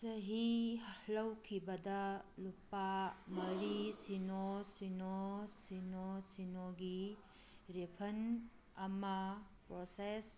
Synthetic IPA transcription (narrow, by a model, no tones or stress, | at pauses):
sɐɦihɐhlɐwkʰibɐdɐlupamɐɾisinosinosinosinoɡi | ɾepʰɐn | ɐmɐ | pɾoses